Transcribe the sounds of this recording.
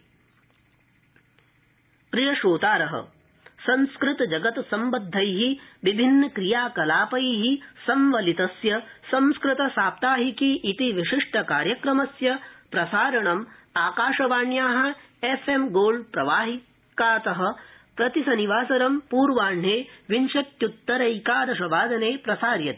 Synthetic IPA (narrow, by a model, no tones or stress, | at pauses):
kɾijɐʃoːt̪aːɾɐɦɐ̰ | sɐ̃nskɾɪt̪ɐd͡ʒɐɡɐt̪sɐmbɐd̪ʱːɐjɦiʋibʱinːɐkɾijaːkɐlaːpɐjɦisɐmʋɐlit̪ɐsjɐsɐ̃mskɾɪt̪ɐsaːp̚t̪aːɦikiʔit̪iʋiʂiʂʈɐkaːɾjɐkɾɐmɐsjɐpɾɐsaːɾɐɳɐmaːkaːʂɐʋaːɳjaːɦɐ̆ | efemɡoːlpɾɐʋaːɦi | kaːt̪ɐɦɐ̆ | pɾɐt̪isɐniʋaːsɐɾɐmpuːɾʋaːɳɦeːʋinʃɐt̪jut̪ːɐɾɐjkaːɾɐʃɐʋaːd̪ɐneːpɾɐsaːɾjɐt̪i